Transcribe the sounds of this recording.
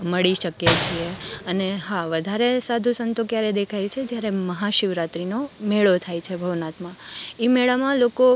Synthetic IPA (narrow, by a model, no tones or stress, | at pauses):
məɭiʃəkjet͡ʃʰieəneɦaʋəd̪ʱaɾesad̪ʱũsənt̪okjaɾed̪ekʰajt͡ʃʰed͡ʒjaɾeməɦaʃiʋɾat̪ɾinomeɭot̪ʰajt͡ʃʰebʱəʋnat̪mãimeɭamãloko